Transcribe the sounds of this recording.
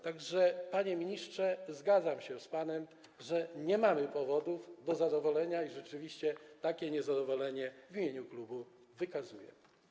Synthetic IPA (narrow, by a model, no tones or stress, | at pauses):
t̪aɡʐɛpaɲɛmʲiɲiʂtʂɛzɡad̪zamɕɛspanɛm | ʐɛɲɛmamɘpɔvɔd̪uvd̪ɔzad̪ɔvɔlɛɲaiʐɛt͡ʂɘvʲiɕt͡ɕɛt̪akʲɛɲɛzad̪ɔvɔlɛɲɛvʲimʲjeɲuklubu | vɘkazujɛ̰